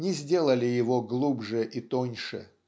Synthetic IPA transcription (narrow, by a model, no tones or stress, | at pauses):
nʲɪzʲdʲe̞lˠəlʲɪjɪvoɡlˠubʐɨʔit̪onʲʂɨ̰